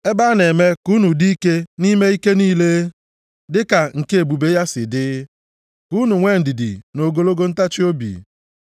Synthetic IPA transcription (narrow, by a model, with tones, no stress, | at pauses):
e˦ba˦ne˨me˦ku˦nu˨di˦i˦ke˦ni˦me˦i˦ke˦niː˦le˦ | dɪ˦ka˨ŋ̩˨ke˦e˨bu˨be˦ja˦sɪ̰˨dɪ˦ | ku˦nu˨ŋʷe˦˨n̩˨di˨dḭ˨no˨ɡo˦lo˦ɡo˦n̩˦ta˦t͡ʃɪ˦o˦bḭ˨